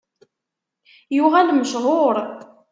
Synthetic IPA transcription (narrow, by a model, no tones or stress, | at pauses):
jʊʁænməʃʁoɾˤ